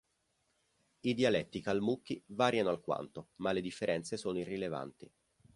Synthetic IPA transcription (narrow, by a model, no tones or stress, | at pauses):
id̪jialɛt̪ːikalmukːivaːɾjanoalkwa̰nt̪omaled̪ifːeɾʔɛnt̪sesoːnoirːileva̰nt̪i